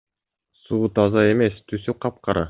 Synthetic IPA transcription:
suut̪ɑzɑemest̪ʰysyqɑp̚qɑɾɑ̰

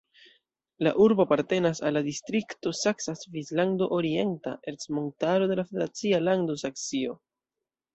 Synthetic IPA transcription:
la̰ʔuɾbopaɾte̞nasalːadistɾikto̞saksasvislando̞ʔoɾie̞nta̰ʔe̞ɾsmontaɾo̞de̞lafe̞de̞ɾat͡sialando̞saksio̞

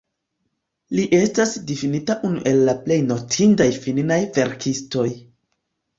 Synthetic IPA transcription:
liʔe̞stasdifinitaʔunṵʔe̞lːaple̞jno̞tʰindajfilinajve̞ɾkʰisto̞j

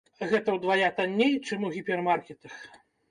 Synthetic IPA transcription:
ɣɛt̪ɐwd̪vajat̪anʲːejt͡ʂɨmuɣʲipʲɛrmarkʲɛt̪ɐx

